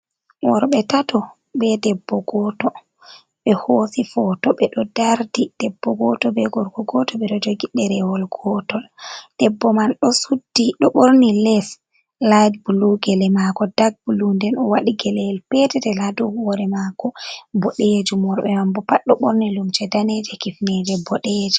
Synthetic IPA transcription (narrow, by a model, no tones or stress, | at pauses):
wɔɾɓɛtatɔ | bɛdɛbːɔɡɔtɔ | ɓɛhosifɔtɔɓɛɗɔdaɾdid̥ɛbːɔɡɔtɔbɛɡɔɾkɔɡɔtɔɓɛɗɔd͡ʒoɡiɗːɛɾɛwɔlɡ̥ɔtɔld̥ɛbːɔmanɗɔsudːiɗɔɓoɾnilɛs | lad͡ʒbuluɡɛlɛmakɔdaɡ̚bulundɛnɔwaɗiɡɛlɛlpɛtɛdɛladuwɔɾɛmakɔbɔɗed͡ʒumɔɾɓɛmambɔpaɗːɔɓoɾnilumt͡ʃɛdanɛd͡ʒɛkifnɛd͡ʒɛbɔɗed͡ʒɛ